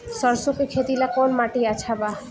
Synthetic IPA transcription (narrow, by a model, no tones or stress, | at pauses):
səɾsokekʰet̪ilakonmaʈiat͡ʃʰaba